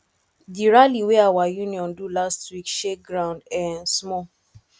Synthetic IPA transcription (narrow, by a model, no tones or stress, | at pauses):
diɹaliweawajũniɔ̃ndulastwikʃeɡɾãʊ̃ndãnsmɔ